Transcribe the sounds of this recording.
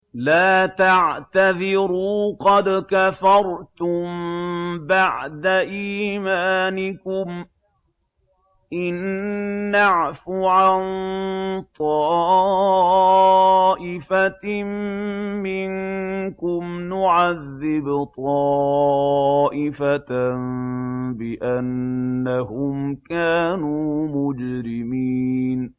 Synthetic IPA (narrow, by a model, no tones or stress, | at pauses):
laːt̪aʕt̪aðɪɾuːqɑd̪kafɑɾˤt̪ʊm | baʕd̪aʔiːmaːnɪkʊm | ʔɪnː | aʕfuʕan | t̪ˤɑː | ʔɪfammɪŋkʊmnʊʕaðːɪbt̪ˤɑː | ʔɪfatnbɪʔanːahʊmkaːnuːmʊd͡ʒɾɪmiːn